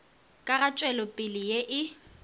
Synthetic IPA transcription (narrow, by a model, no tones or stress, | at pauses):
kʼaɣat͡ʃʼwɛlɔpʼɪlɪjeʔɪ